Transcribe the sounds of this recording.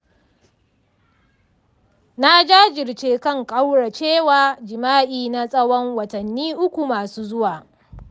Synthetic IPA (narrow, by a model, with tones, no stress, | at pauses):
na˦d͡ʒaː˦d͡ʒɪ˨rt͡ʃeː˦kɐ˦ŋkʼa˦wɽa˨t͡ʃeː˦waː˨d͡ʒɪ˨maː˦ʔiː˨na˦sʼɐ˦wɔ˦ŋwɐ˨tɐ˨nːiː˦ʔʊ˦kʷu˨maː˨suː˦zʊ˦waː˨